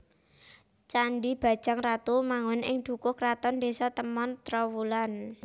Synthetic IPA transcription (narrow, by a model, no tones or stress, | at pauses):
t͡ʃaɳɖib̥a̤d̥ʒ̥aŋrat̪umaŋɔnʔɪ̰ŋd̪̥ṳkʊkrat̪ɔnd̪esɔt̪əmɔnt̪ɾɔwulan